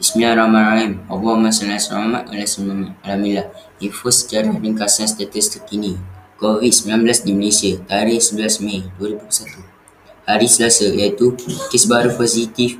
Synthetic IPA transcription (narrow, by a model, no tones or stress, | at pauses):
ismilaɾamãraimɔ̰baamasanasa̰mama̰ʔo̰lasmamlamila | infosə̥t͡ʃaɾadəŋkasãnst̪at̪əst̪əkinikovid̪səbilanblasdiməlesiat̪aɾihsəbəlasmẽduəɾibupsat̪u | haɾisəlasajait̪ukesbaɾuposit̪if